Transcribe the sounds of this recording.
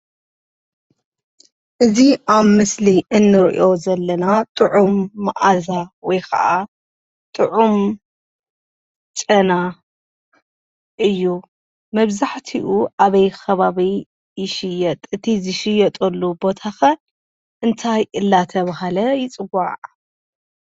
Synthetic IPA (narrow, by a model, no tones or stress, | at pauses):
ʔɨziʔaβmɨsliʔɨnːɨɾʔo̞zɐlːɐnat̪ʼɨʕumːɨʔazawɔjkʰɐ̰ʔa | t̪ʼɨʕum | t͡ʃʼɐna | ʔɨjːu | mɐβzaħt̪ʰiʔuʔaβɐjxʰɐβaβi | jɪʃɪjɐt̪ʼɨt̪ʰizɨʃɪjɐt̪ʼɐlːubo̞t̪ʰaxɐl | ʔɨnt̪ʰajɨlːat̪ʰɐβhalɐjɪt͡sʼɨɡaʕʕ